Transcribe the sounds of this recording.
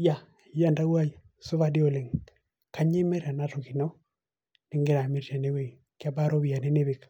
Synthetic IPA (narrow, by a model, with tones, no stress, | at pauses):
ja˦˨ | ja˦˨nda˦wa˦i˨ | sʊ˦βa˦di˦o˦lɪ˨ŋ | ka˦ɲe˦mɛ˦ɾa˨na˦to˨ki˨nɔ˦ | nɪ˦ŋɡɪ˦ɾa˨me˦ta˨ne˦we˦˨ | kɪ˦a˦ba˦ɾo˦βi˨a˨ne˦ne˦βɪ˨k